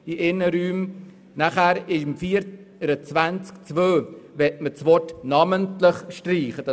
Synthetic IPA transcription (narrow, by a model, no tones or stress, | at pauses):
iʔɪnəɾyːm | naχæɾɪʃmfiːəɾ | ɾət͡svænt͡skt͡svøːvɛtmət͡svɔtnɑməntləχʃtriːχəd̥